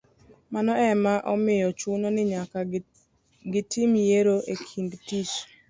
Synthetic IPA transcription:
manɔɛmaʔɔmɪjɔt͡ʃunonɪɲaka | ɡɪtimjeɾoʔekʰindtit͡ʃ

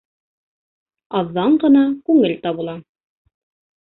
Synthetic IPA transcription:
ɑðːɑɴɢɤ̆nɑkʉŋɘlt̪ɑβɤ̆lˠɑ

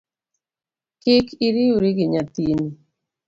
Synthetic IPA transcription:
kɪkiɾiuɾiɡiɲat̪ini

